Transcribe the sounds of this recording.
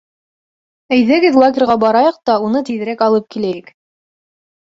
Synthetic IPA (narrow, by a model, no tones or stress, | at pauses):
æjðæɡɘðlˠaɡʲɪrʁɑbɑɾɑjɑq̚t̪ɑunɤt̪iðɘ̆ɾækɑlˠɤp̚kilæjɘk